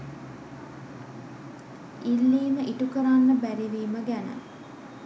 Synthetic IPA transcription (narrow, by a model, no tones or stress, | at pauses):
ilːiːməʔiʈukəɾanːəbæɾiʋiːməɡænə̰